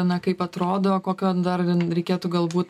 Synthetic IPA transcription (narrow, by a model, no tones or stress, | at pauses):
nɐkɐɪpɐt̪ɾoːd̪oːkoːkʲoːd̪ɐrɾʲɛɪkʲeːt̪uːɡɐlˠbuːt̪